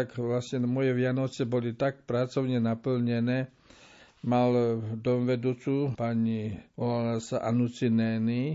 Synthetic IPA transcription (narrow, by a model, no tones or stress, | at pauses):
t̪akʋlasɲɛmɔjɛʋɪanɔt͡sɛbɔlit̪ak̚pɾat͡sɔʊɲɛnapl̩ɲɛnɛː | mald̪ɔmʋɛd̪uːt͡supaɲiɔlalasaʔanut͡sinɛːni